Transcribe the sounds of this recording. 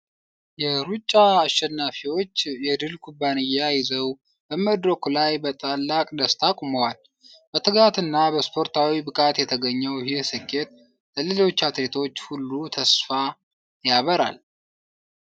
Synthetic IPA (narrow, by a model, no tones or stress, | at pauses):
jɛɾut͡ʃʼːaːʃɛnːafiwo̞t͡ʃːjɛd̪ɨlkʰubːanɨjːajɪzəw | bəməd̪ɾəkʰulajbət̪ʼalːakʼd̪əst̪ʰakʼuməwal | b̥ət̪ʰɨɡat̪ɨnːabəspʰo̞ɾt̪ʰawibɨkʼat̪jɛt̪ʰəɡəɲːɛwhɪsɨkʰːe̞t̪̚ | ləlɨlo̞t͡ʃːat̪ɾet̪ʰo̞t͡ʃːhulːut̪ʰəsfa | jaβəɾa̰l